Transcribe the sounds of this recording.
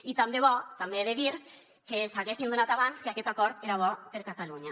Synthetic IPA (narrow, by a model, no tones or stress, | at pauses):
it̪amd̪eβɔt̪ambeðeðiɾ | kesaɣesind̪unat̪aβanskeakɛt̪akɔɾt̪eɾaβ̞ɔpeɾkat̪aluɲa